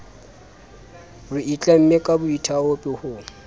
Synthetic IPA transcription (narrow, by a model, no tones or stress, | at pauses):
rʊit͡ɬʼam̩mekʼabʊitʰaopʼɪhʊ